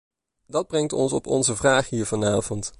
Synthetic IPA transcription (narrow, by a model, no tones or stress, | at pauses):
dɑd̚brɛŋtɔnsɔ̰pɔ̰nzəvraːχɦiːɹvɑnaːvɔnt